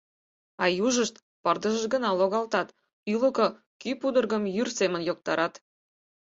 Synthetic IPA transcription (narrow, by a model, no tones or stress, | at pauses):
ɑjuʒəʃt̪ | pɤrd̪ə̆ʒə̆ʒɡə̆nɑlˠoɣɑlt̪ɑt̪ | ylə̆ko | kypud̪ə̆rɣə̆mjyrsemə̆njok̚t̪ɑɾʔɑt̪